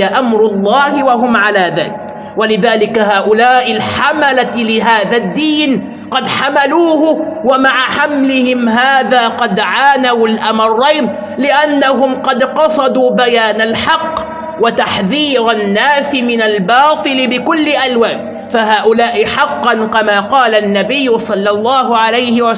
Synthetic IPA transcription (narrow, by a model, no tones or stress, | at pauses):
aʔamɾʊlˤːɑːhɪwaɦʊmʕalaːða̰ːlɪk | walɪðaːlɪkaɦaːʔʊlaːʔɪlħamalalɪɦaːðad̪ːiːn | qɑd̪ħamaluːhʊwamaʕaħamlɪhɪmɦaːðaːqɑd̪ʕaːnawalʔamɑrˤːɑjd̪ˤ | lɪʔanːaɦʊmqɑd̪qɑsˤɑd̪uːbajaːnalħɑqː | wat̪aħðiːɾanːaːsɪmɪnalbɑːt̪ˤɨlɪbɪkʊlːɪʔalwaːn | faɦaːʔʊlaːʔɪħɑqːɑnkamaːqɑːlanːabɪjːʊsˤɑlːɑlˤːɑːɦʊʕalajhɪwa